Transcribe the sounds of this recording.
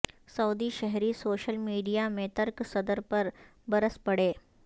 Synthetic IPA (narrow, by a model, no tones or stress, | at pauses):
səwd̪iːɕəɦɾiːsoɕəlmiɖijamet̪əɾksəd̪əɾpəɾbəɾəspəɽe